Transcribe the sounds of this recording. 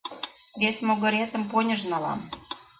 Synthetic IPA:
βʲesʲmoɣɤ̆ɾʲet̪ə̆mponʲə̆ʒnɑlɑ̰m

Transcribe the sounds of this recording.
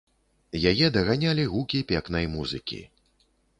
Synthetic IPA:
jajɛd̪ɐɣanʲalʲiɣukʲipʲɛknɐjmuzɨkʲḭ

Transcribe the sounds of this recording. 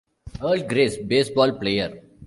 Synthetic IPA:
əːlɖ̚ɡɾeːsbeːsbɔːlpleːjəɾ

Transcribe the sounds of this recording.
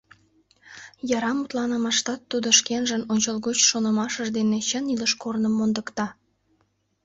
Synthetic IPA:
jɑɾɑmut̪lɑnəmɑʃt̪ɑt̪ːud̪oʃkenʒənonʲt͡ɕəlˠɣot͡ɕʃonə̆mɑʃəʒd̪enet͡ɕəniləʃkornəmːond̪əkt̪ɑ

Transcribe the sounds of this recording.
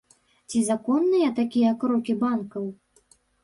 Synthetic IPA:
t͡sʲizakɔnːɨjɐt̪akʲijɐkɾɔkʲibankɐw

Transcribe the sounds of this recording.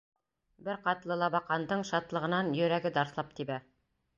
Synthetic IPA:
bɘɾqɑt̪lˠɤlˠɑbɑqɑnd̪ɤɴʃɑt̪lˠɤ̆ʁɤ̆nɑnjɵ̆ɾæɡɘd̪ɑɾsθlˠɑp̚t̪ibæ

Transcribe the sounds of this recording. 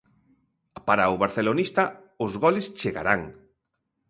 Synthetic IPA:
paɾaʊβaɾθelonist̪a | ʊzɣɔlɪst͡ʃeɣa̰ɾaŋ

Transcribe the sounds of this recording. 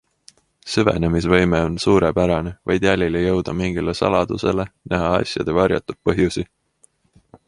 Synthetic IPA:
sevḛne̞misvɤjmeo̞nsuːɾepæɾɑne̞vɑjd̪̥jælʲilejɤwd̪̥ɑmiŋɡ̥ilesɑ̰lɑd̪use̞̰le̞nʔæɦɑɑ̰sjɑ̰d̪̥e̞vɑrjɑ̰t̪ːˑud̪̚pɤɦjusi

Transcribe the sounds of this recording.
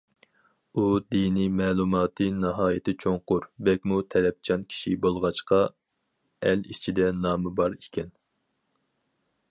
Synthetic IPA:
ud̪inimɛːlˠumɑːt̪ʰɨnɨɦɑːjɪt̪ʰɪt͡ʃʰoŋqʊɾbɛkʲmut̪ʰɛlɛp̚t͡ʃʰɑnkʲʰi̥ʃibolˠʁɑt͡ʃqɑ | ɛlit͡ʃʰid̪ɛnɑːmɨbɑɾikʲʰɛn

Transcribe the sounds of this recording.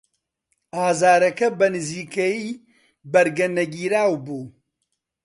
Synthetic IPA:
aːzaːɾɐkɐbɐnɨziːkɐjiː | bɐɾɡɐnɐɡiːɾaːwbuː

